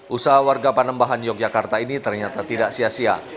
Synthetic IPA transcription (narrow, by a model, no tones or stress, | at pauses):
ʔusaɦawarɡapanəmbaɦanjɔk̚d͡ʒakart̪ainit̪ərɲat̪at̪idaʔsiasia̰